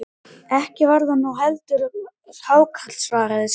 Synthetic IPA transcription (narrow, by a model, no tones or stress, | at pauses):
ɛhcɪvaɾðanːuɦɛlt̪ʏɾ | ɾ̥haːwkʰat̪lsvaːɾaðɪs